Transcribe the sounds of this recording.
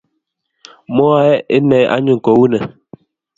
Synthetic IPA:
mɔ˦a˦ɛ˦ʔe˦nɛ˨jʔa̰˦ɲu˦˨ŋ̩˨kɔ˨˦wu˦nɛ˨

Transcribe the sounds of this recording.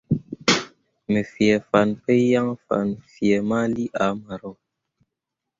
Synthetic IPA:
me˨fjɛ˨fa˨npe˦ja˦ŋ˦fa̰˨nfjɛ˨ma˦li˦ʔa˨˦ma˨ɾɔ˦˨

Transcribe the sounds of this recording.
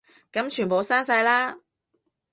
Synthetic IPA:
kɐ˨˥mt͡ʃʰyː˨˩npo˨˧wsaː˥nsɐ˧jlaː˥

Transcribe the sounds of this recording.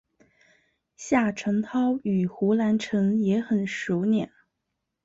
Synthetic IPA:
ɕja˥˩ʈ͡ʂʰɤ˧˥ŋt̪ʰɑ˥ʊy˨˩xu˧˥la˧˥nʈ͡ʂʰɤ˧˥ŋjɛ˧˥xə˨˩nʂu˧˥ʊnjɛ˨˩˦n

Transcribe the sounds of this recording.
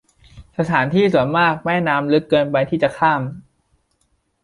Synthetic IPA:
sa˧t̪ʰaː˩˦nt̪ʰiː˥˩su˩˦ənmaː˥˩k̚mɛː˥˩naː˧˥mlɯ˦˥kːɤː˧npa˧jt̪ʰiː˥˩t͡ɕa˨˩kʰaː˥˩m

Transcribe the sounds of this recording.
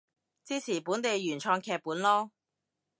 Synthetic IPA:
t͡siː˥sʰiː˨˩puː˨˥nt̪e˨jɥyː˨˩nt͡ʃʰɔː˧ŋkʰɛː˧k̚puː˨˥nlɔː˥

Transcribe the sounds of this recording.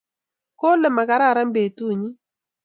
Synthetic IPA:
ko˦lɛ˨ma˨ka˨ɾa˦˨ɾa˦mbe˨tu˦˨ɲi˦

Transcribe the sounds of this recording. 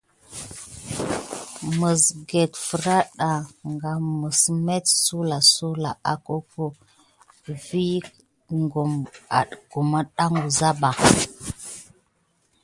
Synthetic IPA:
mə˨sɡe˨tfə˨ɾa˦ɗa˨ŋɡa˨mə˨sme˦tsu˦la˨su˦la˨a˨ko˦ko˦ | vi˦ | ŋɡu˨ma̰˨ɗku˨ma˦ɗa˦ŋɡu˨za˦ba˨

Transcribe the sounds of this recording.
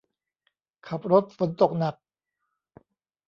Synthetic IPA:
kʰa˨˩p̚ɾo˦˥t̪̚fo˩˦nt̪o˨˩k̚na˨˩k̚

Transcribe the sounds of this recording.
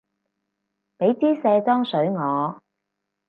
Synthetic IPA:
pe˨˥jt͡siː˥sɛː˧t̪ɔː˥ŋsɵ˨˥ɥŋɔː˨˧

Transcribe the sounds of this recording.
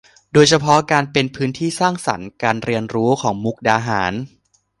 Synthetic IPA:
doː˧jt͡ɕʰa˧pʰɔ˦˥kaː˧npe˧npʰɯː˦˥nt̪ʰiː˥˩saː˥˩ŋsa̰˩˦nkaː˧nɾi˧ənɾuː˦˥kʰɔː˩˦ŋmu˦˥k̚daː˧ɦa̰ː˩˦n

